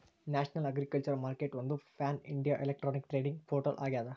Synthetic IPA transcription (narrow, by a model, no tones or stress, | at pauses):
naːʂɐnɐlɐɡɾɪkːɐlt͡ʃɐɾmaːɾkeʈʋɐnd̪ɯfaːnɪ̰ɳɖijaːʔɛlɛk̚ʈɾoːnɪkʈɾeːɖɪŋɡpoːɾʈɐlʔa̰ːɣɪjaːðɐ